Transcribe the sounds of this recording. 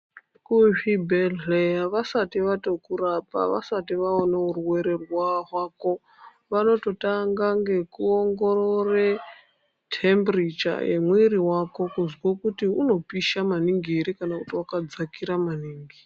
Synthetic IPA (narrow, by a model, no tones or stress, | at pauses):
kuɦibelejaʋasatiʋato̞kuɾapa̰ʋa̰satiʋaonauɾuwe̞ɾerwaɦwaːko̞ | ʋano̞to̞taŋɡaŋɡe̞kuoŋɡo̞ɾore | tʰembrit͡ʃa̰jḛmwiɾiwako̞kuzwokutiuno̞piʃamaniŋɡieɾikanakutiwakad͡zakiɾamaniːŋɡi